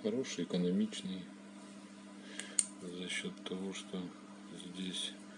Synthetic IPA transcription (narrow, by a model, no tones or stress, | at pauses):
xɐɾo̞ʂɨjɪkənɐmʲit͡ɕnɨj | zɐɕːo̞t̪ːɐvo̞ʂt̪o̞ | zʲdʲesʲ